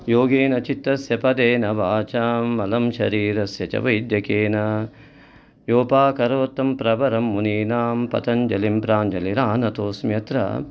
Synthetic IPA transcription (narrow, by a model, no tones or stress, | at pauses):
joːɡeːnɐt͡ʃit̪ːɐsjɐpɐd̪eːnɐʋaːt͡ʃaːmːɐlɐmʃɐ̰ɾiːɾɐsjɐt͡ʃɐ̰ʋɐid̪jɐkeːnɐ | joːpaːkɐɾɐʋɐt̪ːɐmpɾɐbɐɾɐmːuniːnaːmpɐ̰t̪ɐnd͡ʒɐlimpɾaːnd͡ʒɐliɾaːnɐt̪oːsmjɐt̪ɾɐ̰